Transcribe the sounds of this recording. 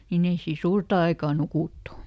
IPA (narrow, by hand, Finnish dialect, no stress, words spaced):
niːn ei siː suːrtɑ ɑikɑː nukuˑtːu